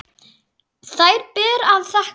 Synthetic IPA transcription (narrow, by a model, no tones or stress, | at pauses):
θajɾpɛːɾaðθah